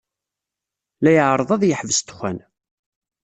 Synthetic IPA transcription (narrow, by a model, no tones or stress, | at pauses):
læjəʕɾˤəðˤɑðjəħvəst̪xʷæn